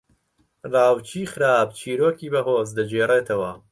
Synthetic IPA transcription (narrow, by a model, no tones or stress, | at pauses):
rɑːwt͡ʃʰiːxɨɾaːb̚t͡ʃʰiːɾoːkiːbɐɦoːzd̪ɐd͡ʒeːreːt̪ʰɐwɐ